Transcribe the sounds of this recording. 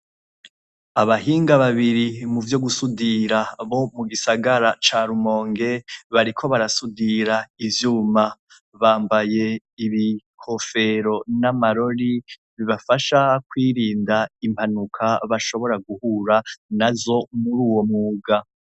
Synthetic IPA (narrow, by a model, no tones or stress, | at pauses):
aβaɦiːŋɡaβaβiɾimuvjo̞ɡusudiɾaβo̞muɡisaɡaɾat͡ʃaɾumo̞ːŋɡe̞βaɾikʰo̞βaɾasudiɾaivjuːma | βaːmbaje̞ | iβikʰo̞fe̞ɾo̞namaɾo̞ɾi | βiβafaʃakwiːɾiːndaim̥ʰanukʰaβaʃo̞βo̞ɾaɡuhuːɾanazo̞muɾuːwo̞mŋuːɡa